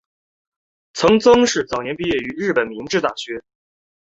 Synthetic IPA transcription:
t͡sʰɤ˧˥ŋt͡sɤ˥ŋʂɻ̩˥˩t͡sɑ˨˩ʊnjɛ˧˥npi˥˧jɛ˥˩y˧˥ɻɻ̩˥˩pə˨˩nmi˧˥ŋʈ͡ʂɻ̩˥˧t̪a˥˩ɕɥɛ˧˥

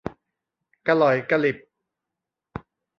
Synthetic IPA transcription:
ka˧lɔ˨˩˦jka˧li˨˩p̚

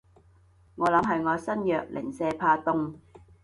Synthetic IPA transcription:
ŋɔː˨˧lɐ˨˥mɦɐ˨jŋɔː˨˧sɐ˥njœː˨k̚lʔɪ̰˨˩ŋsɛː˧pʰaː˧t̪ʊ˧ŋ

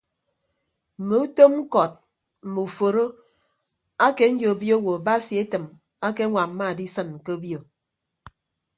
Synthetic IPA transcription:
m̩˨mo˨u˦to˦mŋ̩˦kɔ˨t̚ | m̩˨mo˨fo˨ɾo˦ | a˦ke˨˦n̩˦d͡ʒo˨bjo˦wo˨ba˦sji˨e˦tɨ˨m | a˦ke˦ŋʷa˨m̩˦ma˦˨di˦sɨ˦˨n˨ke˦bjo˨

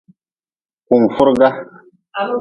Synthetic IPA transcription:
ku˨mfu˦ɾɡa˦

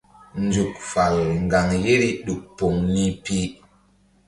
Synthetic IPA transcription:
nd͡ʒu˨k̚fa˨lŋ˨ɡa˨ŋje˦ɾi˦ɗu˨k̚po˨ŋni˦pi˦

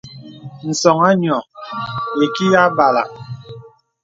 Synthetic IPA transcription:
n̩˨sɔ˨ŋa˦ɲ˨ɔ˨ | e˨ki˦ja˦ba˨la̰˨

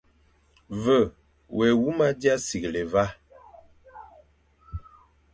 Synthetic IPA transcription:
və˦˨ | wʔɛ˨wu˦ma˦dja˦si˨ɡle˨va˦

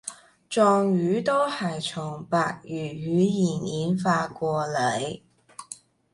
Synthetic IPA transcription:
t͡ʃɔː˧ŋjyː˨˥t̪o˥whɐ˨jt͡sʰʊ˨˩ŋpaː˨˧k̚jyː˨˩jyː˨˧˥jiː˨˩niː˨˥nfaː˧kʷɔː˧le˨˧˥j

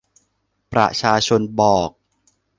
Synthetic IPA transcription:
pɾa̰˨˩t͡ɕʰaː˧t͡ɕʰo˧nbɔː˨˩k̚

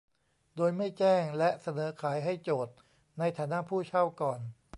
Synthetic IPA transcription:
doː˧jma˥˩jt͡ɕɛː˥˩ŋlɛ˦˥sa˧nɤː˩˦kʰaː˩˦jɦa˥˩jt͡ɕoː˨˩t̪̚ | na˧jt̪ʰaː˩˦na˦˥ʔpʰuː˥˩t͡ɕʰa˥˩wkɔː˨˩n

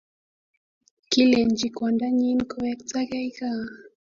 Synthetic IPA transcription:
ki˦lɛ˨nd͡ʒi˨kwa˨nda˦ɲi˦nko˨˦wɛ˦kt͡sa˦ɡa˦jka˦

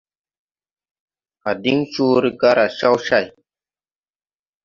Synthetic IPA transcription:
a˨di˦ŋt͡ʃu˦ɾi˦ɡa˦ɾa˨ʃa˦wʃa˦˨j

